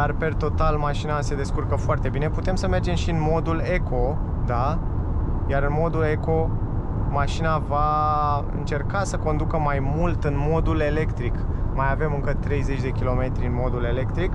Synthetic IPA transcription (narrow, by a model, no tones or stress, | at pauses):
d̪arpe̞rt̪o̞t̪almaʃinase̞d̪e̞skurkəfoart̪e̞bine̞put̪e̞msəme̞rd͡ʒe̞mʃiɨnmo̞d̪ule̞kʰo̞ | d̪a | jaɾɨnmo̞d̪ule̞ko̞ | maʃinavaɨ̰nt͡ʃe̞rkasəko̞nd̪ukəmajmult̪ɨnmo̞d̪ule̞le̞kt̪ɾik | majave̞mɨŋkət̪ɾe̞jze̞t͡ʃʲd̪e̞kʲilo̞me̞t̪ɾiɨnmo̞d̪ule̞le̞kt̪ɾik